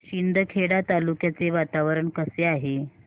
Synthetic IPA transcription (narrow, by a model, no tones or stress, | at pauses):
ɕind̪ʱəkʰeɽat̪alukjat͡seʋat̪aʋəɾəɳkəseaɦe